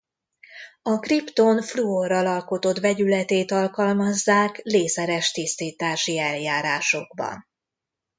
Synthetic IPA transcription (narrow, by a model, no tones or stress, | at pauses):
ɒkript̪o̞nfluorɒlɒlko̞t̪o̞t̪vɛɟylɛt̪eːt̪ɒlkɒlmɒzːaːkleːsɛɾɛʃt̪ist̪iːt̪aːʃiɛljaːɾaːʃo̞ɡbɒ̰n